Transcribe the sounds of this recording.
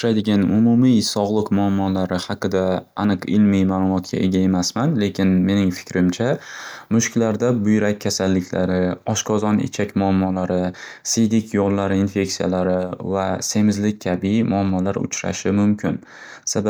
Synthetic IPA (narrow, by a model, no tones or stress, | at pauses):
ʊɾajd̪ɪɡʲanʊmʊmijsɒʁlˠɨqmʊamːɒlaɾɪhɑqɨd̪aːnɨqɪlmijmaːlˠʊmɒt̪̚kʲa̰ʔe̞ɡʲae̞masmanle̞kʲʰɪnme̞nɪŋfɪ̥kʲɾɪmt͡ʃʰamʊʃkʲlaɾd̪abʊjɾak̚ʲʰːasalːɪkʲla̰ɾɪɒʃqʰɒzɒnɪ̰t͡ʃʰakʲmʊamːɒlaɾɪ | sɪjd̪ɪkʲʰjolːaɾɪinfe̞ksija̰laɾɪvase̞mɪzlɪk̚ʲːʰabɪmʊamːɒlaɾʊ̰t͡ʃʰɾa̰ʃɪmʊmkʲʰɪn | saba